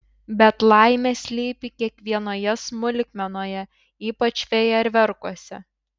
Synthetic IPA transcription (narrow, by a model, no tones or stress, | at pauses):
bʲɛt̪lˠɑɪmʲɛsʲlʲiːpʲikʲiɛkʋʲiɛnoːjɛsmʊlʲɪkʲmʲɛnoːjɛ | iːpɐt͡ʃʋʲɛjɛɪɾʲʋʲɛɾkuɔsʲɛ̰